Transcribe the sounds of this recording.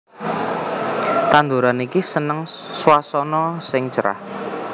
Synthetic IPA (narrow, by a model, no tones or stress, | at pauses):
t̪and̪uɾanikisənəŋswasɔnɔsɪŋt͡ʃəɾa̰h